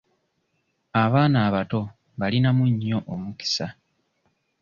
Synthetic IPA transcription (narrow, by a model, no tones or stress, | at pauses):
aβaːnaːβato̞ | βalinamuɲːo̞ʔomuki̥sa